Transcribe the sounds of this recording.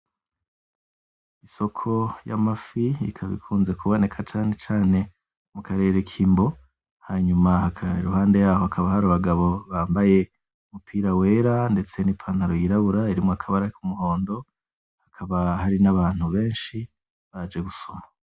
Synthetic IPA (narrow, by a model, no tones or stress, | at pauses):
iso̞kʰo̞ja̰mafiḭkʰaβḭkʰuːnze̞kʰuβo̞ne̞kʰat͡ʃaːne̞t͡ʃaːne̞ | mukaɾe̞ːɾekʰiːmbo̞ | haɲumahakaiɾuhaːnde̞jaːho̞hakʰaβahaɾuβaɡaβo̞βaːmbaje̞ | umupʰiːɾawe̞ːɾande̞t͡se̞nipʰanhaɾojiɾaβuɾaiɾimŋoakʰaβaɾakumuho̞ːndo̞ | hakʰaβaɦaɾinaβaːn̥huβe̞ːnʃi | βad͡ʒeɡusoma